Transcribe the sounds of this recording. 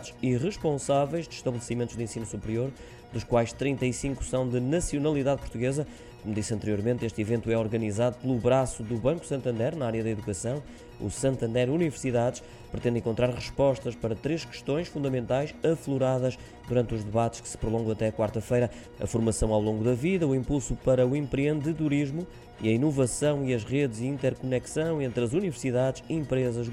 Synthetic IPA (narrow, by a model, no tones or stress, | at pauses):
ʃiʁɨʃpõsavɛjʒd̪ʃt̪ɐβlˠɨsimẽnt̪uʒðẽsinusupɾioɾ | d̪uʃkwajʃt̪ɾĩnt̪ɐisĩŋku̥sɐ̃w̃d̪ɨnɐsiunɐlˠiðaðpuɾt̪uɣezɐ | komud̪isɐ̃nt̪ɨɾioɾmẽnt̪eʃt̪ivẽnt̪uwɛɔɾɣɐnizaðupɨlˠuβɾasuðuβɐ̃ŋku̥sɐ̃nt̪ɐ̃nd̪ɛɾnɐaɾjɐðɐiðukɐsɐ̃w̃ | ṵsɐ̃nt̪ɐ̃nd̪ɛɾunivɨɾsiðaðʃ | pɾɨt̪ẽnd̪ẽkõnt̪ɾaɾʁɨʃpɔʃt̪ɐʃpɐɾɐt̪ɾeʃkɨ̥ʃt̪õj̃ʃfũnd̪ɐmẽnt̪ajʃɐflˠuɾaðɐʃ | d̪uɾɐ̃nt̪uʒðɨβat̪ɨ̥ʃkɨ̥sɨ̥pɾulˠõɡɐ̃w̃ɐt̪ɛɐkwaɾt̪ɐfɐjɾɐ | ɐ̰fuɾmɐsɐ̃w̃awlˠõŋɡuðɐviðɐuĩmpulˠsupɐɾɐuẽmpɾiẽnd̪ɨðuɾiʒmu | iɐinuvɐsɐ̃w̃iɐʒʁeðziĩnt̪ɛɾkunɛksɐ̃w̃ẽnt̪ɾɐzunivɨɾsiðaðʃiẽmpɾezɐʒ